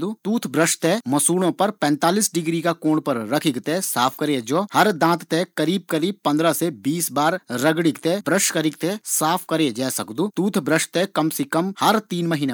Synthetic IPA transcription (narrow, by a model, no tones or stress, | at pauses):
d̪uːt̪uːt̪ʰbɾəʃʈt̪emɐsuːɽõpɐɾpɛ̃ːnt̪aːliːsɖɪɡɾikakoːɳpɐɾɾɐkʰɪkt̪esaːpʰkɐɾed͡ʒoːhɐɾd̪ãːt̪t̪ekɐɾiːb̚kɐɾiːb̚pɐ̃nd̪ɾasebiːsbaːɾɾɐɡɽɪkt̪ebɾəʃkɐɾɪkt̪esaːpʰkɐɾed͡ʒɛːsɐkd̪uːt̪uːt̪ʰbɾəʃʈt̪ekɐmsekɐmhɐɾt̪iːnmɐɦiːne